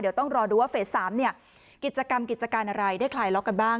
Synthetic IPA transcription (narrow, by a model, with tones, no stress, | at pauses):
di˩˦wt̪ɔ˥˩ŋɾɔː˧duː˧waː˥˩feː˦˩ssaː˩˦mni˥˩ɐ | ki˨˩t̪̚t͡ɕa˧ka˧mki˨˩t͡ɕa˧kaː˧nʔa˧ɾa˧jdaː˥˩jkʰlaː˩jlɔ˦˥kːa˧nbaː˥˩ŋ